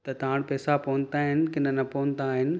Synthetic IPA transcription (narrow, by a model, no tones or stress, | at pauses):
t̪ɐt̪ɐɦaɽ̃pɛːsapɔʊ̃nt̪aɦɪnɪ̆kɪnənɐpoːə̃nt̪aːɦɪnɪ̆